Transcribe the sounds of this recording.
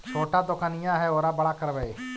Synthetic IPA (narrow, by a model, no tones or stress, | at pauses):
t͡ʃʰoːʈaːd̪ʊkaːnɪjãːɦɛːoːɾaːbəɽaːkəɾʋəeː